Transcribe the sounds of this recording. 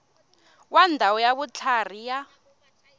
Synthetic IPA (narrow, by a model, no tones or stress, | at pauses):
wandʱawɔjaβut͡ɬʰar̤ija